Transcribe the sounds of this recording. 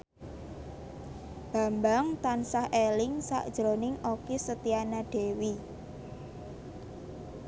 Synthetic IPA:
b̥a̤mbaŋt̪ansahelɪŋsa̰ʔd̥ʒ̥ɾonɪŋʔokesət̪ianaɖ̥e̤wi

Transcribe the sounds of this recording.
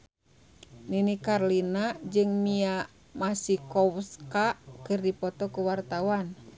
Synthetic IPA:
ninikarlinad͡ʒɨŋmia | masikɔwskakɨrdipɔt̪ɔkuwart̪awan

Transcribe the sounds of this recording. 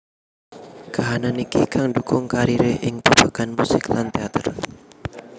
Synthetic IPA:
kaɦananikikaŋdukʊŋkaɾiɾeʔɪŋpubakanmusɪklant̪eat̪ər

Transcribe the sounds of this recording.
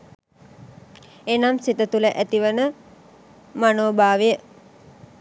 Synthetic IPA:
enamsit̪ət̪uləʔæt̪iʋənə | manoːbaːʋejə

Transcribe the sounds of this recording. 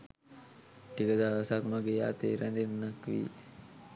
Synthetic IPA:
ʈikəd̪aːlasakmaɡeːja̰ːt̪ḛːɾænd̪enːakʋḭː

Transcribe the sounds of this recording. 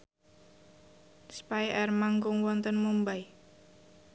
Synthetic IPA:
spajʔɛrmaŋkʊŋwɔnt̪ənmumbaj

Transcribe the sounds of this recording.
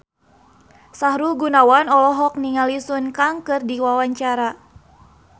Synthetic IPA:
sahɾulɡunawanɔlɔɦɔk̚niŋalisunkaŋkɨrdiwawaɲt͡ʃaɾa

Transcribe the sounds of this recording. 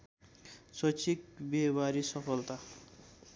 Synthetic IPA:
sʌt͡sʰik̚bebaɾisʌpʰʌlt̪a

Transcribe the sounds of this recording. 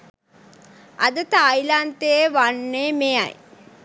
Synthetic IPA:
ɐd̪ət̪ajlant̪eeʋaɳːemeja̰j

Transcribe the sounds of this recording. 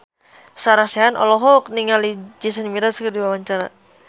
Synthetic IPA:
saɾaseanʔɔ̰lɔɦɔkniŋalid͡ʒisənmiɾaskərdiwawaɲt͡ʃaɾa

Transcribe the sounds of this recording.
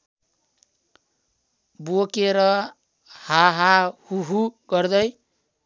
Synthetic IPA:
bokeɾʌ | haɦahuɦuɡʌrd̪ʌj

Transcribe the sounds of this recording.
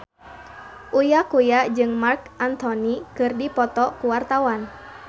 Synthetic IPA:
ʔujakujad͡ʒɨŋmarkant̪ɔnikɨrdipɔt̪ɔkuwart̪awan

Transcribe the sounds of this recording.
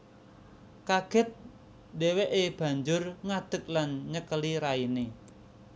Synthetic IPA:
kaɡ̥ɛ̤t̪̚ | deweʔeb̥ä̤ɲd͡ʒʊrŋad̪̥ə̤k̚lanɲəkəliɾaine

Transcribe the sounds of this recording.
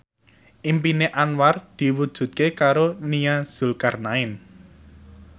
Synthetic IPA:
ʔimpineʔanward̪̥i̤wud̥ʒ̥ṳt̪̚kekaɾonijaz̥ṳlkarnaɪn

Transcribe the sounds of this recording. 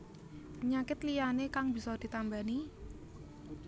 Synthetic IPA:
ɲakɪt̪lijanekaŋbi̤sɔd̪̥i̤t̪ambani

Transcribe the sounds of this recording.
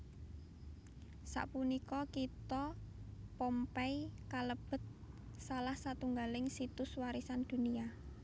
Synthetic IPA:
sa̰ʔpunikɔkit̪ɔ | pɔmpɛikaləb̥ə̤t̪̚ | salahsat̪uŋɡalɪŋsit̪ʊswaɾisand̪̥ṳnia

